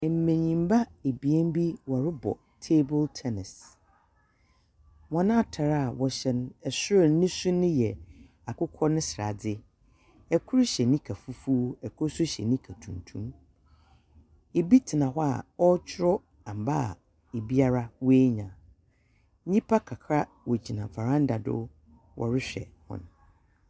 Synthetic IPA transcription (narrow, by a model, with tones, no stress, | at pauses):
ɛ˨m̩˨mẽ˨ɲĩ˨m˦ba˦e˨bi˨ɛ˦m˦bi˦wa˨ɾɪ˦bɔ̰˨ | tʰe˦bʊ˦ltʰɛ˦nɪ˨s | wɔ̃˨nã˦˨tʰa˨ɾa˦a˨wɔ˨ɕɛ˦n˦ɛ˨sʊ˦ɪ˨˦nɪ̃˦sʊ̃˦nɪ̃˦jɛ˨ | a˨kʊ˦kʰɔ˦nɪ̃˦sɪ˨ɾa̰˨dɪ˦ | ɛ˨kʰʊ˦ɾɕɛ˨nĩ˦kʰa˨fu˦fu˦ɛ˨kʰɔ˦sʊ˦ɕɛ̰˨nĩ˦kʰa˨tʰũ˨ntʰṵ̃˦m | e˨bi˦tʰɪ˨nã˨ɦɔ˦a̰˨ɔ˦t͡ɕʰɪ˦ɾɔ˦ | ã˨m˨ba˦a̰˨ | e˨bi˦a˦ɾa˦we˦ɲã˨˦ | ɲĩ˦pʰa˦kʰa˨kʰɾa˦ | wɔ˨d͡ʑi˨nã˨fa˨ɾã˦n˦da˨dʊ̰˦ | wʔɔ̰˨ɾɪ˦ɕᶣɛ̰˨hʊ̰̃˦˨n˨